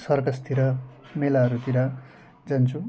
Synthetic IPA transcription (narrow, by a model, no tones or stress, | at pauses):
sʌrkast̪ʰiɾʌmelaɦʌɾut̪iɾʌ | d͡zʌnt͡sʰu